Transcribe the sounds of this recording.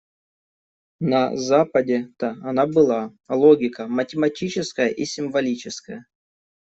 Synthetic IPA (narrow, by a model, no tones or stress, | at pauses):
nɐ̰zapədʲɪt̪əɐnabɨlˠalˠoɡʲɪkəmətʲɪmɐtʲit͡ɕɪskəjəʔisʲɪmvɐlʲit͡ɕɪskəjə